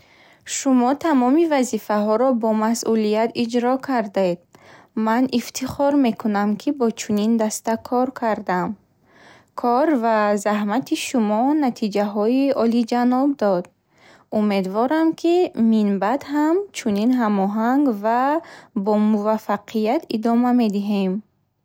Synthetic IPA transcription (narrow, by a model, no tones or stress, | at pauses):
ʃumɔt̪ʰamɔmivazifaɦɔɾɔbɔmasʔulijat̪id͡ʒɾɔkʰaɾd̪aed̪̚ | manift̪ʰiχɔɾme̞kʰunamkʰibɔt͡ʃʰunind̪ast̪akʰɔɾkʰaɾd̪am | kʰɔɾvazaɦmat̪ʰiʃumɔnat̪ʰid͡ʒaɦɔiɔlid͡ʒanɔb̚d̪ɔd̪ | ume̞d̪vɔɾamkʰiminbad̪ɦamt͡ʃʰuninɦamɔɦaŋɡvabɔmuvafaqʰijat̪id̪ɔmame̞d̪iɦe̞m